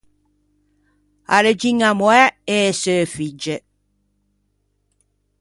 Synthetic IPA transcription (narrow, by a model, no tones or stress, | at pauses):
a̰ləd͡ʒiŋamwɛesəːfid͡ʒə